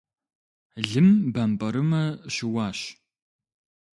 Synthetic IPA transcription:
ɮɨmbampʼɐɾɨmɐɕɪwaːɕ

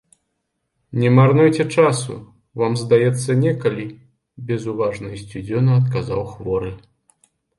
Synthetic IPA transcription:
nʲɛmarnujt͡sʲɛt͡ʂasṵ | vamzd̪ajɛt̪sːɐnʲɛkalʲi | bʲɛzuvaʐnɐsʲt͡sʲud͡zʲɔnɐɐt̪kaza̰wxvɔɾɨ

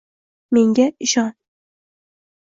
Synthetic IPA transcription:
me̞ŋɡʲaɪʃɒn

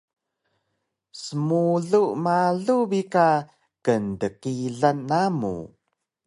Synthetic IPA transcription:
səmuɮuʔmaɮubika | kəndəkiɮanːamṵ

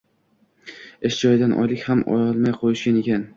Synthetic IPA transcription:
ɪʃd͡ʒɒjɪd̪anʔɒ̰jlɪkʲhamʔɒ̰jɒlˠmajqʰojɪʃɡʲane̞kʲʰan

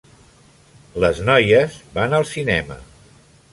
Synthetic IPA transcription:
ləznɔjəzbanəlˠsinɛmə̰

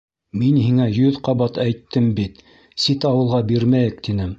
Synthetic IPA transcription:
minhiŋæjɵðqɑβɑt̪æjt̪ʰːɘmbit̪ | sit̪ɑwɤ̆lˠʁɑbiɾmæjɘkt̪inɘm

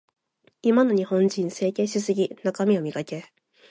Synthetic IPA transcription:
imano̞ɲ̟ihõ̞ɲd͡ʑĩɰ̃se̞ːke̞ɕisɨɡʲinakamʲio̞mʲikake̞

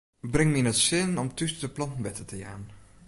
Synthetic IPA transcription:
brɪŋminətsɪnɔmtysdəplɑntn̩ʋɛtətəja̰ːn

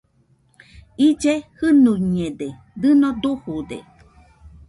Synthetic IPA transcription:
id͡ʒehɨnuɲẽde | d̪ɨnod̪uhud̪ḛ

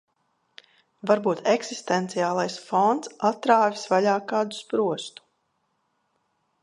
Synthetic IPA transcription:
vaɾbuːt̪ɛksist̪ɛnt̪siaːlˠajsfɔnt̪sat̪ɾaːvʲisvaʎaːkaːd̪u̥spɾuɔst̪u̥

